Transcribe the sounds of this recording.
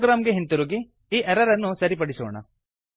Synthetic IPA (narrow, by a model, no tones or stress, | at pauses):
ɡɾaːmɡeɦint̪uɾuɡi | iːʔɛɾɐɾɐnːusɐɾipɐɽisɔ̰ːɳɐ̰